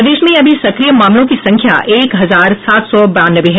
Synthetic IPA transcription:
d̪eːʃmẽɐbʱisɐkɾijəmaːmlõkisɐ̃ŋkʰja̰ʔeːkɦɐzaːɾsaːt̪sɔbɐaːnəʋeɦɛ

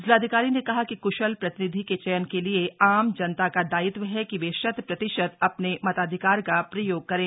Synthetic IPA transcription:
d͡ʒlaːd̪ʱɪkaːɾinekɐɦakikʊʃəlpɾɐt̪ɪnɪd̪ʱiket͡ʃɐjənkelieaːmd͡ʒɐnt̪akad̪aːɪt̪ʋəɦɛkiʋeʃɐd̪pɾɐt̪ɪʃət̪ɐpnemɐt̪aːd̪ʱɪkaːɾkapɾɐjoːɡ̚kɐɾẽː

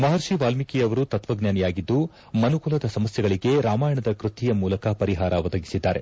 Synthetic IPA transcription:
mɐɦɐɾʂiʋaːlmikijɐʋɐɾut̪ɐt̪ʋɐɡnjaːnijaːɡid̪ːu | mɐnukulɐd̪ɐsɐmɐsjɛɡɐɭiɡe̞ɾaːmaːjɐɳɐd̪ɐkɾut̪ijɐmuːlɐkɐpɐɾiɦaːɾɐʋɐd̪ɐɡisid̪ːaːɾe̞̰

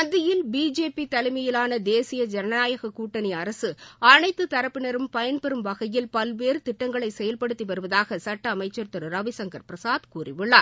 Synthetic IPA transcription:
ɐd̪ɪjɪlbiːd͡ʒeːpit̪ɐlɪmɐjɪlaːnɐd̪eːsɪjɐd͡ʒɛnɐnaːjɐɣɐkuːʈːɐniɐɾɐsɯɐnɐɪt̪ːɯt̪ːɐɾɐpːɪnɐɾɯmpɐjɐnpɛɾɯmʋɐɣɐjɪlpɐlʋeːɾɯt̪ɪʈːɐŋɡɐɭɐɪsɛjɐlpɐɽɯt̪ːiʋɐɾɯʋɐðaːɣɐsɐʈːɐːmɐɪt͡ʃːɐɾt̪ɯɾɯɾɐʋɪsɐŋɡɐɾpɾɐsaːðkuːrɪʋɯɭːaː

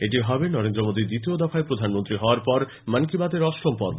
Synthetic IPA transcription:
eʈiɦɔbenɔɾend̪ɾomod̪id̪it̪iod̪afʰaepɾod̪ʱanmont̪ɾiɦɔwaɾpɔɾ | mankibad̪eɾɔsɾompɔ̰ɾbo

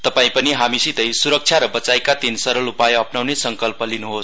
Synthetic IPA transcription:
t̪ʌpaĩpʌniɦamisit̪ʌjsuɾʌk̚t͡sʰjaɾʌbʌt͡sajkat̪insʌɾʌlupajʌpnawnesʌŋkʌlpʌlinuɦos

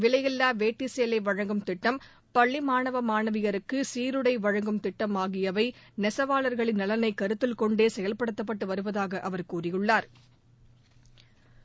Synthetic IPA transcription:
ʋɪlɐjɪlːaːʋeːʈːɪseːlɐɪʋɐɻɐŋɡɯmt̪ɪʈːɐm | pɐɭːimaːnɐʋɐmaːnɐʋɪɣɐɾɯkːɯsiːɾɯɽɐɪʋɐɻɐŋɡɯmt̪ɪʈːɐmaːɣɪjɐʋɐɪnɛsɐʋaːɭɐɾɣɐɭɪnːɐlɐnɐɪkːɐɾɯt̪ːɪlkɔɳɖeːsɛjɐlpɐɽɯt̪ːɐp̬ːɐʈːɯʋɐɾɯʋɐðaːɣɐʔɐʋɐɾkuːrɪjɯɭːaːɾ

